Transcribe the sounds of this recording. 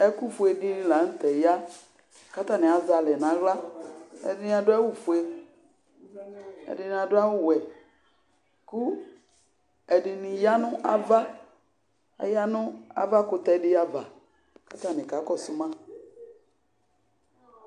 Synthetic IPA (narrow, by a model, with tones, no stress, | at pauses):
ɛ˦ku˦˨fʊ˨e˨di˦nɪ̃˦la˨˦n̩˦tɛ˨ja˦ | ka˦ta˦˨nɪ̃˨a˨za˨lɛ˨nã˨ɣla˦ɛ̰˨dɪ˨˦nɪ̃˨˦a˨dʊ˦a˦wʊ˦fʊ˨e˨ | ɛ̰˨dɪ˨nɪ˨a˨dʊ˦a˦wʊ˦wɛ˨ | ku˦ | ɛ˨dɪ˨nɪ̃˨ja˦nʊ̃˦ʔa̰˦va˦˨ | ja˦nʊ̃˦a̰˦va˦kʊ˨tɛ˦dɪ˦a˦va˨ | ka˦t̪a˨nɪ̃˨ka˨˦kɔ˦sʊ˦mã˦